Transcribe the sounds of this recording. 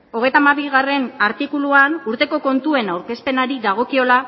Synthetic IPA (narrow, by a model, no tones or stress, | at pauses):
o̞ɣ̞e̞jt̪amaβiɣare̞naɾt̪ikuluanuɾt̪e̞ko̞ko̞nt̪ue̞nawɾke̞spe̞naɾiðaɣ̞o̞kio̞la